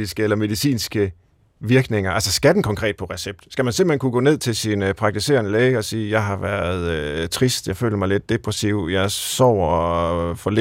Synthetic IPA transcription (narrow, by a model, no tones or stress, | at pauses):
isɡ̥əelɐme̝ðˠisḭːnsɡ̥ə | ʋiɐɡ̥ne̝ŋɐʔælsɐsɡ̥æd̥n̩kʰɒ̽ŋkʰʁɛ̰ːd̥̚pʰɒ̽ʁɛseb̥̚d̥sɡ̥æmænse̝mb̥l̩henkʰuɡ̥ɔ̰ːne̝ð̞̰ˠt͡sʰe̝lsinpʰʁɑ̈ɡ̚t͡sʰise̝̰ːɐnəleːəɒ̽siːjɑ̈ɪɦɑ̈ʋæɐð̞̩ˠøt͡sʰʁisd̥jɑ̈ɪfø̰ːləmɑ̈ɪle̝d̥̚ːe̝pʰʁɛsiʊ̰jɑɪsɒ̰ʊ̰ɒfɒle